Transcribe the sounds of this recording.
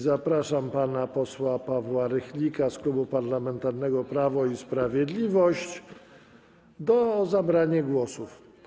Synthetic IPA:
zapɾaʂampanapɔswapavwaɾɛxlʲikasklubupaɾlamɛnt̪aɾnɛɡɔpɾavɔispɾavʲjɛd̪lʲivɔɕt͡ɕ | d̪ɔzabɾaɲaɡwɔsuf

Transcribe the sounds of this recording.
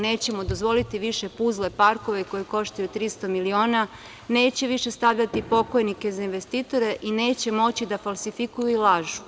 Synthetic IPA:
ne̞ːt͡ɕe̞mo̞d̪ozʋo̞lit̪iʋiʃe̞puzlepaɾko̞ʋeko̞jeko̞ʃt̪ajut̪ɾist̪o̞milio̞ːna | ne̞ːt͡ɕe̞ʋiʃe̞st̪aʋʎat̪ipo̞ko̞jnikezainʋe̞st̪iːt̪o̞ɾe̞ʔine̞ːt͡ɕe̞mo̞t͡ɕid̪afalˠsifikujuilˠaʒu

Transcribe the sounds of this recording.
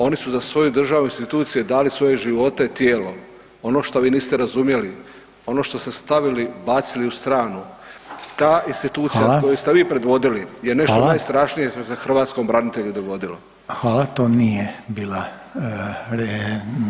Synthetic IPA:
o̞nisuzasʋo̞jud̪r̩ʒaʋuinst̪it̪uːt̪sijed̪aːlisʋo̞jeʒiʋo̞t̪et̪jeːlo̞ | o̞noʃt̪oʋiːniːst̪eɾazumje̞li | o̞no̞ːʃt̪o̞st̪e̞st̪aʋilibaːt̪siliust̪ɾaːnu | t̪aːʔinst̪it̪uːt̪sijakojust̪e̞ʋiːpɾe̞d̪ʋo̞d̪ilijeneʃt̪onajst̪ɾaʃnije̞ʃt̪osexr̩ʋaːt̪sko̞mbɾanit̪e̞ʎud̪o̞ɡo̞d̪ilo | xaːlat̪oːnijebiːla | ɾe

